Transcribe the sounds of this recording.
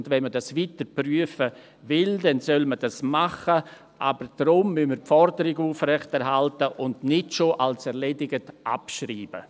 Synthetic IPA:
ndvɛnmədasʋiːtəɾpryəfə | vɪldɛnsœlməd̥asmaχə | ʔabəɾd̥ɾʊmːʏməɾpfɔɾdəɾɪɡuːfrɛχtɛɾɦaltəʔʊndnɪtʃoʔalsɛɾʁledɪɡətʔa̰pʃriːb̥ə̰

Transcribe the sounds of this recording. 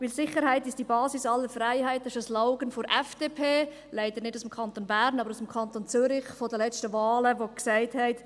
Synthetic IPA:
ʋɪlsɪχəɾhæɪtɪʃtd̥ibɑːsɪsɑlːəɾfraɪɦæɪt̚dɑʃəslaʊɡənfɔɾʔɛfd̥epʰeː | læɪd̥əɾnɪdusɪmkʰɑnt̪onbæɾnɑbəɾusɪmkʰɑntont͡sʏɾɪχfɔdəlɛt͡stəvɑːləʋoksaɪthɛɪt

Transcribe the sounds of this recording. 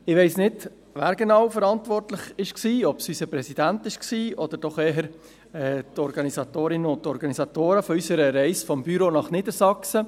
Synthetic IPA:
ɪʋɛɪsnɪd | ʋæːɾɡenɑwfəɾɑnt̪ʋɔrt̪lɪχɪʃksiːɔpsysəpɾɛsid̥̪ænt̪ɪʃksiːʔɔd̥̪əɾd̥ɔχeːɦəɾ | ɛːt̪ɔɾɡɑnisɑt̪oːɾɪnəʊnt̪ːɔɾɡɑnisɑt̪oːɾəfɔysəɾəɾɛɪsfɔmbyɾoːnɑχnɪdəɾsɑksə

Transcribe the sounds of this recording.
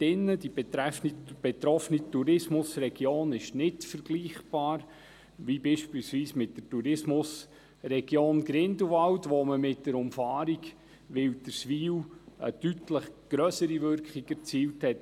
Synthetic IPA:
d̥ɪnːədibtɾɛnib̥et̪ɾɔfnituɾɪsmʊsrɛɡjoːnɪʃnɪtfəɾɡ̥liːχb̥ɑːɾ | ʋibiːʃpiːlsʋiːsmɪtdətuɾɪsmʊs | rɛɡ̥joːnɡɾɪnduʋɑwtʋoməmɪtdəɾʊmfɑːɾiɡ | ʋɪld̥əɾsʋiːwə̰d̥ytləχɡ̥ɾœsəɾivʏɾkχiɡɛɾt͡siːlthɛt

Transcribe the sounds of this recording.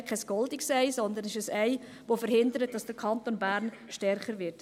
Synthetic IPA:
kʰɛskɔldɪksɛɪsɔnd̪ənɛʃəsɛɪ | ʋofəɾɦɪndəɾət̚d̥ɑsd̥əkʰɑntonbæːɾn | ʃtɛɾχəɾʋɪɾt

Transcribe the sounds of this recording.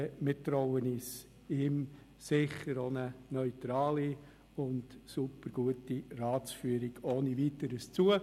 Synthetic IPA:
mɪtɾɔʊənis | im | sɪχəɾonənœʏtɾɑːli | ʊntsupəɾɡ̥uətirɑːt͡sfyəɾiɡ̥oːniʋitəɾəst͡suə

